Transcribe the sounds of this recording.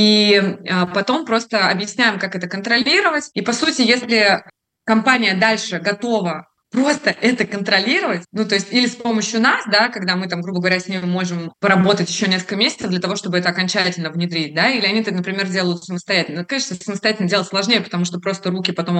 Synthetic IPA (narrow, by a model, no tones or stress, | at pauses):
iəpɐt̪o̞mpɾo̞st̪əɐbjɪsʲnʲæjɪmkakɛt̪əkənt̪ɾɐlʲiɾəvətʲipɐsutʲɪjesʲlʲɪ | kɐmpanʲɪjəd̪alʲʂɨɡɐt̪o̞və | pɾo̞st̪əʔɛt̪əkənt̪ɾɐlʲiɾəvətʲnut̪o̞ɪsʲtʲilʲɪspo̞məɕjʊnasd̪akɐɡd̪amɨt̪amɡɾubəɡəvɐɾʲasʲnʲemʊmːo̞ʐɨmpəɾɐbo̞t̪ətʲjɪɕːonʲeskəlkəmʲesʲɪt̪səvd̪lʲət̪ɐvo̞ʂt̪o̞bɨɛt̪əɐkɐnʲt͡ɕætʲɪlʲnəvnʲɪd̪ɾʲit̚ʲd̪ailʲɪɐnʲiɛt̪ənəpɾʲɪmʲerdʲe̞lˠəjʊt̪səməst̪ɐjætʲɪlnkɐeʂt̪əsəməst̪ɐjætʲɪlnədʲelˠətʲslˠɐʐnʲejəpə̥t̪ɐmuʂt̪o̞pɾo̞st̪əɾukʲɪpɐt̪o̞m